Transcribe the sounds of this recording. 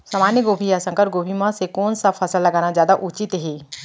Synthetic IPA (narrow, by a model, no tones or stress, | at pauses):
saːmaːnjəɡoːbʱijasə̃ŋkəɾɡoːbʱimãsekoːnsapʰɐsəlːɐɡaːnazjaːd̪aʔut͡ʃɪt̪ɦeː